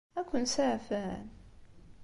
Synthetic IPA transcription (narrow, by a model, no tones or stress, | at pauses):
ækʷːʊnsaʕfæn